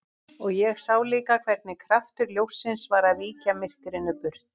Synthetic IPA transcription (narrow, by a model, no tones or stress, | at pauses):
ɔɣjɛɣsaːwliːkakʰvɛɾt̪nɪkʰɾaft̪ʏɾljowsːɪnsvaɾaviːcamɪr̥kɾɪnʏpʏɾ̥t̪